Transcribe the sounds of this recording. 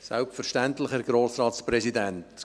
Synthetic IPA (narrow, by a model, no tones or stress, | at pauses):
sɛlpfəɾʃtæntlɪχəɾɡɾoːsɾɑːtspɾɛsidænt